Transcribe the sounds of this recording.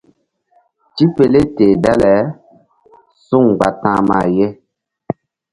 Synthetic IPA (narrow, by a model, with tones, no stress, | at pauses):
ti˦pe˨le˦teː˨dɛ˦lɛ˨˦ | su˦˨ŋɡ͡ba˨tã˦ma̰˨je˦